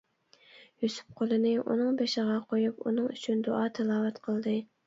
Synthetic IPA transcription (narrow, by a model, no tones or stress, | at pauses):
jusʊ̥p̚qʰolˠɨnɨʔṵnɨŋbeʃɪʁɑqʰojupṵnɨŋy̰t͡ʃʰynd̪oʔɑːt̪ʰɪlˠɑːvɛt̪qʰəlˠd̪ɨ